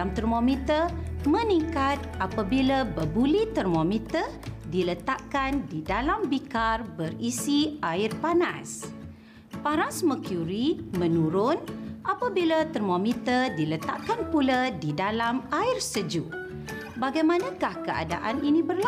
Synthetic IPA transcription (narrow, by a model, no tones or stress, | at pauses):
amt̪ərmomit̪ərmə̃niŋkat̪̚ʔapabilabəbulit̪ərmomit̪ədilət̪aʔkandidalambikarbərisiaɪrpanas | paɾaŋsəməkjuɾimə̃nuɾʊnʔapabilat̪ərmomit̪ərdilət̪a̰ʔkanpuladidalamaɪrsəd͡ʒuʔ | baɡajmanãkahkəa̰da̰ʔaninĩbərla